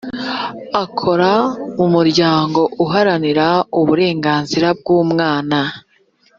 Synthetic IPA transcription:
akʰo̞ɾaumuɾɟaːŋɡo̞ʔuɦaɾaniɾauβuɾe̞ːŋɡaːnziɾab̚ɡuːmŋaːna

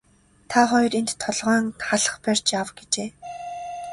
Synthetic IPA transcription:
t̪ʰaχɔjrent̪ʰːɔɮʁœːnχaɮə̥̆χpær̥t͡ɕjawɡet͡ɕeː

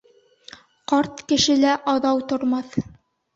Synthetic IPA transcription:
qɑɾt̪kɘ̆ʃɘ̆læʔɑðɑwt̪ŏɾmɑθ

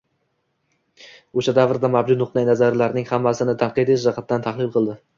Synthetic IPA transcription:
oʃad̪avɾd̪amabd͡ʒʊt̪nʊqnajnazaɾlaɾnɪŋhamːasɪnɪt̪ʰanqɨd̪ɪʃɾɑqʰat̪̚d̪ant̪ʰaχlˠɪlˠqʰɨlˠd̪ɪ

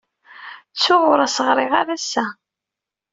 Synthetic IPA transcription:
t͡sːʊʁʊɾasəʁɾˤɪʁaɾæsːæ

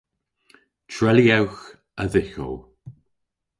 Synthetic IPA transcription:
t͡ʃʰɹɛliawx | əðɪxo̰w

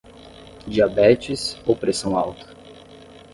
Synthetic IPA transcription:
d͡ʒiabɛt͡ʃɪsowpɾesɐ̃w̃awt̪ʰɐ̥

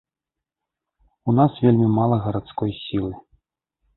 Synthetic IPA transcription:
unasvʲelʲmʲimalˠɐɣɐɾat̪skɔjsʲilˠɨ

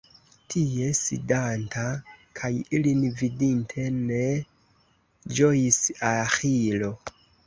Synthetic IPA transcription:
tʰie̞sḭdantakʰajilinvidintʰe̞ne | d͡ʒojisaxilo̞

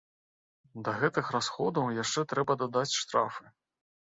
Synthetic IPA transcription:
d̪ɐɣɛt̪ɨxrasxɔd̪ɐwjaʂt͡ʂɛt̪ɾɛbɐd̪ad̪at͡sʲʂt̪ɾa̰fɨ

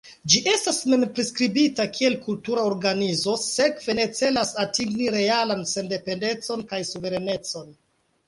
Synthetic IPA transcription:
d͡ʒiʔe̞stasme̞mpɾiskɾibitakʰie̞lkultuɾaoɾɡanizo̞se̞kve̞ne̞t͡se̞lasatiŋɡniɾe̞alanse̞nde̞pe̞nde̞t͡so̞nkajsuve̞ɾene̞t͡so̞n

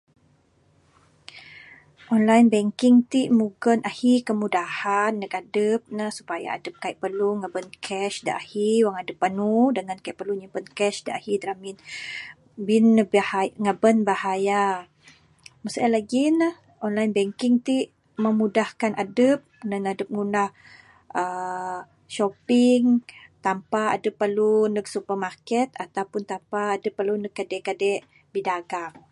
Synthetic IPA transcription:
ʔɔnlajnbɛŋkiŋt̪iʔmuɡənʔahikəmudahanːəkadəp̚nahsu̥paja̰a̰dəp̚kaiʔpərluŋabənkʰɛʃdaʔahiwaŋadəpːanudəŋankaiʔpərluɲipənkɛʃdaahid̪ɾamin | binːbaŋabənbahaja | məsaalaɡinah | ɔnlajnbɛŋkiŋt̪iʔ | məmudahkanʔadəp̚nəŋadəp̚ŋunah | ə | ʃopiŋt̪ampaa̰dəpːərlunək̚supərmarkɛt̪at̪awpʊnt̪ampaːdəpːəlunəkːadɛkadɛʔ | bidaɡaŋ

